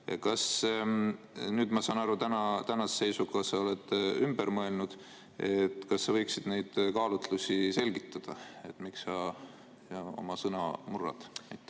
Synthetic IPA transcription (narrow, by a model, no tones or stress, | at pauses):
kɑs | nyːd̪mɑsɑːnɑɾut̪ænɑt̪ænɑsese̞jsukɑsɑole̞d̪ymb̥eɾmɤe̞lnud̪̥ | et̪ːˑkɑsːɑvɤ̞jksid̪̥nejd̪̥kɑːlut̪lusʲise̞lɡ̥it̪ˑːɑd̪̥ɑe̞t̪ːˑmiksɑ | o̞̰mɑsɤnɑ̰murːɑ̰d̪̥ɑjt̪ˑː